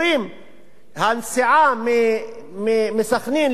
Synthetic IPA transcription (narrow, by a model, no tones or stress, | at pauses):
ɾiːm | hansɪʕamɪ | mmɪsaxniːn